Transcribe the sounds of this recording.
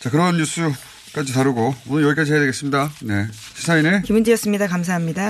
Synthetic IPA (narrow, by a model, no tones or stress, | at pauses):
t͡ɕakɯɾʌɦnɲus͈u | k͈ad͡ʑitaɾɯɡoonɯnjʌɡik͈ad͡ʑiɦejadweɡe̞s͈ɯmɲidane̞ | ɕʰi̥sʰainekimund͡ʑijʌs͈ɯmɲidakams̬ʰaɦamɲida